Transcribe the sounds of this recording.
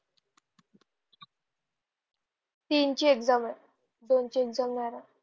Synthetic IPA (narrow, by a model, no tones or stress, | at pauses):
t̪iːnt͡ɕieɡd͡zamə | d̪ont͡ɕieɡd͡zamnaɾa